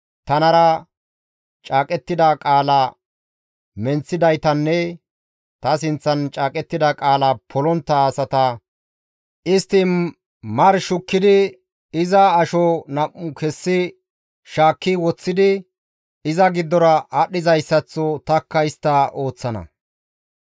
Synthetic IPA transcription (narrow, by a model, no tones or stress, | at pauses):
t̪ɐnɐɾɐ | t͡ʃʼaːkʼɛt̪ːɪd̪ɐkʼaːlɐ | mɛnt͡sːɪd̪ɐjt̪ɐnːɛ | t̪ɐs̬ɪnt͡sːɐnt͡ʃʼaːkʼɛt̪ːɪd̪ɐkʼaːlɐpʰɔlɔnt̪ːɐsɐt̪ɐ | ʔɪst̪ːɪ | mɐɾʃʊkːɪd̪ɪ | ɪzɐːʃɔnɐʔʊkɛsːɪ | ʃaːkːɪwɔt͡sːɪd̪ɪ | ɪzɐɡɪd̪ːɔɾɐɐɗːɪzɐjsːɐt͡sːɔt̪ɐkːɐjst̪ːɐʔo̞ːt͡sːɐnɐ̰